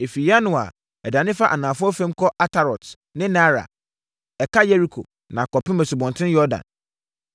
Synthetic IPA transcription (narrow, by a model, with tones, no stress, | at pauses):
e˨fi˨ja˦nʊ̃˨a̰˨ | ɛ˨dã˨nɪ̃˦fa˦ʔa̰˨nãː˨fʊ˦ɔ˦fɛ̃˦m˦kʰɔ˦ʔa˦tʰa˨ɾɔ˨t | nɪ̃˦na˦ɾa̰˨ | ɛ˨kʰa˦jɛ˦ɾi˦kʰo̰˨ | nã˨kʰɔ˨pɪ̃˦mɛ̃˨su˨bɔ̃˨ntʰɪ̃˦njɔ˦dã̰˨n